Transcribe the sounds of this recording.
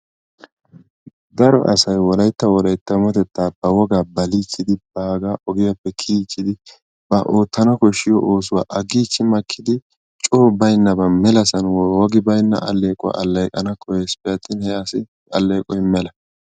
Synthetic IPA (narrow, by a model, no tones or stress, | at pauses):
d̪ɐɾɔ̰ʔɐ̰sɐjwɔlɐjt̪ːɐwɔlɐjt̪ːɐmɔt̪ɛt̪ːaːbɐwɔɡaːbɐliːt͡ʃːɪd̪ɪb̥aːɡaːʔɔɡɪjapːɛkʰiːt͡ʃːɪd̪ɪ | b̥ɐʔoːt̪ːɐnɐkɔʃːɪjɔʔoːsʊwa̰ːʔɐɡiːt͡ʃːɪmɐkʰːɪd̪ɪ | t͡ʃʼoːbɐjnːɐbɐmɛlɐsɐnwɔɡɪbɐjnːɐ̰ʔɐlːeːkʼɔwa̰ʔɐlːɐjkʼɐnɐkʰɔjɛspɪjɐt̪ːɪnhɛjaːsɪ | ɐlːeːkʼɔjmɛlɐ